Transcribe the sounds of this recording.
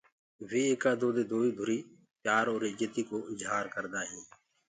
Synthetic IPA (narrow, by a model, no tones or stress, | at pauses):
ʋeːeːkaːd̪oːd̪eːd̪oːiːd̪ʱʊɾiː | paːɾoːɾɪd͡ʒət̪iːkoːɪzɦaːɾkəɾd̪aːɦẽː